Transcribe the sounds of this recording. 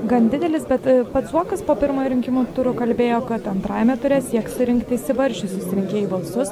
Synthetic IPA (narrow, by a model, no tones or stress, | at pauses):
ɡɐnd̪ʲɪd̪ʲɛlʲɪsbʲɛt̪pɐt̪suɔkɐspoːpʲɪɾmoːjɾʲɪŋʲkʲɪmuːt̪ʊɾʊkɐlʲbʲeːjoːkɐt̪ɐnt̪ɾɑːjɛmʲɛt̪ʊɾʲeːst̪ʲiɛksʊɾʲɪŋkt̪ʲɪsʲɪʋɐɾʲʃʲʊsʊsʲɪɾʲɪŋʲkʲeːjubɐlˠsʊs